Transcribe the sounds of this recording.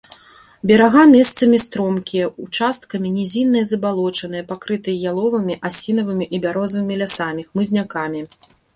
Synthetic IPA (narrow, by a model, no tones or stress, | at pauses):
bʲɛɾaɣamʲɛst̪sɐmʲist̪ɾɔmkʲijɐut͡ʂast̪̚kɐmʲinʲɛzʲinːɨjɐzɐbalˠɔt͡ʂɐn̪ɨjɐpakɾɨt̪ɨjɐjalˠɔvɐmʲiʔasʲinɐvɨmʲiʔibʲaɾɔzvɨmʲilʲasamʲixmɨzʲnʲakamʲi